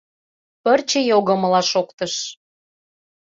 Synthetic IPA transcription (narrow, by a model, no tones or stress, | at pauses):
pə̆rt͡ɕĕjoɣə̆mɤ̆lɑʃokt̪ə̆ʃ